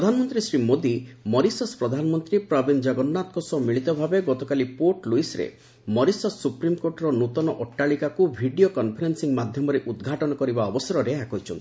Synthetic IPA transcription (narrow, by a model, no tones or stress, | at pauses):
ɾɔd̪ʱanɔmɔnt̪ɾisɾimod̪imɔɾisɔspɾɔd̪ʱanɔmɔnt̪ɾipɾɔbind͡ʒɔɡɔnːat̪ɔkɔsɔmiɭit̪ɔbʱabeɡɔt̪ɔkalipoɾʈluisɾḛ | mɔɾisɔsːupɾimkoɾʈɔɾɔnut̪ɔnɔʔɔʈːaɭikakubʱiɖijokɔnpʰɔɾensiŋmad̪ʱjɔmɔɾeʔud̪ɡʱaʈɔnɔkɔɾibaɔbɔsɔɾɔɾeakɔɦit͡ʃʰɔ̰nt̪i̥